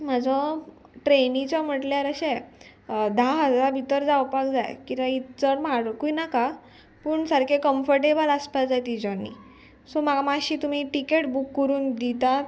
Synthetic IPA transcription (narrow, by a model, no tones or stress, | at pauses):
m̤ad͡zʱɔ | ʈɾenĩt͡ɕam̤əʈljaɾəɕej | d̪ʱaɦd͡zabʱit̪əɾd͡zawpakd͡za̰jkit̪ʋãit̪əɾmaɽkuinaka | pəːɳsaɾkʰekəmfəɾʈebəlaspad͡zajt̪id͡ʑɔnːḭ | sɔmaɡamaɕiːt̪um̤iʈikeʈbukːəɾuːnd̪it̪at̪